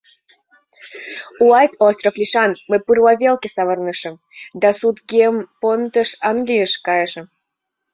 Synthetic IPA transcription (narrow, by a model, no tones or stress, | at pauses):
uɑjt̪ost̪rofliʃɑnməpɨrlɑβʲelkesɑβərnəʃə̆m | d̪ɑsut̪ɡʲempont̪əʃɑnɡlʲijəʃkɑjəʃə̆